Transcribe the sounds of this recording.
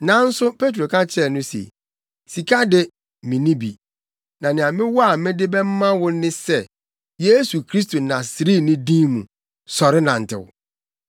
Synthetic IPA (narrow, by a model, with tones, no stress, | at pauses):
nã˨n̩˦sʊ˦pʰe˦t̬ɾo˨kʰa˦t͡ɕʰɛ˨nʊ̃˦sḛ˨ | si˨kʰa˦dɪ˦ | mĩ˨nĩ˦bḭ˨ | nã˨nɪ̃˨ã˨mɪ̃˦wɔ˦a˨mɪ̃˦dɪ˦bɛ˦m̩˦mã˦wʊ˦nɪ̃˦sɛ˦˨ | je˦su˨kʰɾi˦s̬to˨nã˨sɪ˨ɾi˦˨nɪ̃˦dĩ˦mṵ̃˨ | sɔ˨ɾɪ˦nã˨n̩˨tʰɪ̰˨wʊ̰˨